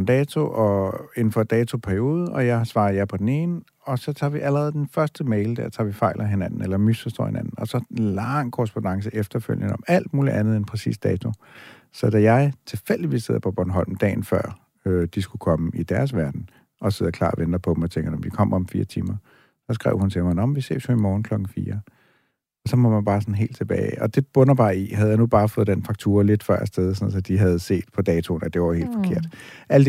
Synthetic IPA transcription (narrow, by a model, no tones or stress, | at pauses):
nd̥ɛːt͡sʰo̝ʔɒe̝nn̩fɒ̽d̥ɛːt͡sʰo̝pʰæɐio̝ːð̞̩ˠɒ̽jɑ̈ɪsʋɑ̈ːð̩ˠjɑ̈ɪpʰɒ̽d̥ene̝ːnə | ɒ̽sɒ̽t͡sʰɑ̈ːʋiʔælɐʁɛːð̞̩ˠd̥enfɶɐsd̥əmeɪld̥æɐ̰t͡sʰɑ̰̈ːʋifɑ̈ɪ̰lʔɐɦenæn̰n̩elɐmysɒsd̥ɔ̰ːhe̝nænn̩ɒsɒ̽lɑŋ̰kʰoʁɛsb̥onɑ̈ŋs̬əʔefd̥ɐføljənɒmæl̰d̥muːliʔænð̩ˠenpʰɛsḭːsd̥ɛːt͡sʰo̝ | sɒ̽d̥æjɑ̈ɪt͡sʰe̝fel̰d̥iʋise̝ð̰ˠɐpʰɒb̥ɒnɦɒ̽l̰m̩d̥ɛ̰ːn̩fɶɐ̰ | ød̥isɡ̥ukʰɒ̽məid̥æɐsʋæɐd̥n̩ | ʔɒ̽seð̰ˠɐkʰlɑ̰̈ːʋend̥ɐpʰɒ̽d̥m̩ɒ̽t͡sʰeŋɡ̥d̥emd̥ikʰɒ̽m̰ɒ̽mfḭːɐt͡sʰḭːmɐ | sɒ̽sɡ̥ʁɛ̰ʊhunt͡sʰemnɒm̩ʋise̝̰̥ːsjuimɒːn̩kʰl̥ɒ̽ɡ̥ŋ̩fḭːɐ | ɒ̽sɒ̽mɒmænb̥ɑ̈ːsɒ̽nɦe̝̰ːld̥t͡sʰe̝b̥ɛ̰ːɪʔɒ̽d̥e̝b̥ɔ̽nɐb̥ɑ̈ːiɦæð̞̩ˠjäɪnub̥ɑ̈ːfɔ̽ːð̩ˠd̥enfɑ̈ɡ̥̚t͡sʰṵːɐle̝d̥fɶɐ̰sd̥eð̞ˠsɒn̩̰ˠsɒ̽d̥iɦæð̞̩ˠse̝̰ːd̥̚pʰɒ̽d̥ɛːt͡sʰo̝næd̥e̝ʋɐhe̝̰ːld̥fɒ̽kʰe̝ɐ̰d̥ʔæləd̥